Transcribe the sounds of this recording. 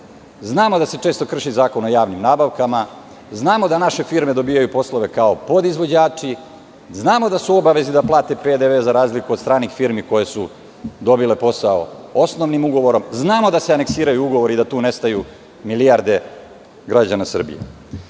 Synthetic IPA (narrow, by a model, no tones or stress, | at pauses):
znaːmo̞d̪ase̞t͡ʂe̞ːst̪okr̩ʃizaːko̞no̞jaːʋnimnaːbaʋkama | znaːmo̞d̪anaʃe̞fiɾme̞d̪o̞biːjajupo̞slˠo̞ʋe̞kaopo̞d̪izʋo̞d͡ʑaːt͡ʂi | znaːmo̞d̪asuo̞baʋe̞zid̪aplˠaːt̪e̞ped̪eʋeːzaɾaːzlikud̪st̪ɾaːnixfiɾmiko̞jesu | d̪o̞bile̞po̞sao̞̰o̞snoʋnimuɡo̞ʋo̞ɾo̞mznaːmo̞d̪aseane̞ksiːɾajuuɡo̞ʋo̞ɾeid̪at̪uːne̞st̪aju | milijaɾd̪e̞ | ɡɾad͡ʑanasr̩bḭjḛ